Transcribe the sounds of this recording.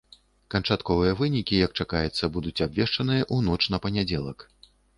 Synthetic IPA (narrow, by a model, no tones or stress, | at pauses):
kɐnt͡ʂat̪kɔvɨjɐvɨnʲikʲijɐk̚t͡ʂakajɛt̪sːɐbud̪ut͡sʲabvʲɛʂt͡ʂɐnɨjɐʔunɔt͡ʂn̪ɐpɐnʲad͡zʲɛlˠɐk